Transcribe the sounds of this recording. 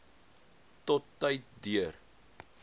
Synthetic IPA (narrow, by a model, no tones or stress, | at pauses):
tɔtːəjt̚dyər